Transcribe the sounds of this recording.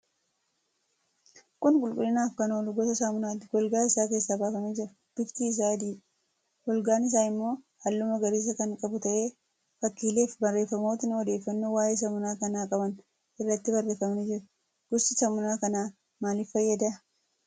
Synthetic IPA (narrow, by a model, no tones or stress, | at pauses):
kʼʊnkʼʊlkʼʊlːɪnaːfkɐnoːlʊɡɔt̪ɐsaːmʊnaːt̪ːɪɡɔlɡaːɪsaːk̬e̞ːsːaːbaːfɐmɪd͡ʒɪɾɐ | b̥ɪft̪iɪs̬aːd̪iː | wɔlɡaːnɪs̬aːɪmːo̞ː | hɐlːʊmɐɡɐɾiːs̬ɐkɐŋkʼɐbʊt̪ɐʔe̞ː | fɐkːiːle̞ːfbɐrːe̞ːfːɐmoːt̪ɪnɔd̪e̞ːfːɐnːowaːjeːs̬ɐmʊnaːkɐnaːkʼɐbɐn | ʔɪrːɐt̪ːɪbɐrːe̞ːfɐmnɪd͡ʒɪɾɐ | ɡ̥ʊsɪsɐmʊnaːkɐnaː | maːlɪfːɐjːɐd̪ɐ